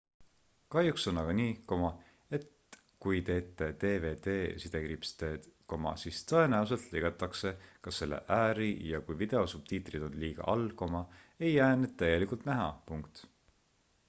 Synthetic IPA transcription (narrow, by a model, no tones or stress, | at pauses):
kɑjukso̞nːɑɡ̥ɑniːko̞mɑ | e̞t̪ | kujt̪e̞ːt̪ːˑe̞d̪̥e̞ːve̞ːd̪eːsid̪̥e̞kɾipst̪e̥ːko̞mɑ̰sist̪ɤ̞e̞næus̬e̞lt̪leɡ̥ɑt̪ːˑɑkse̞kɑsːe̞lːḛʔæːɾijɑkujvid̪̥e̞osub̥̚t̪iːt̪ˑrid̪̥o̞nliːɡ̥ɑ̰ʔɑlko̞mɑejːæːned̪̥̚t̪ːæjɡe̞likult̪næɦɑ̰puŋkt̪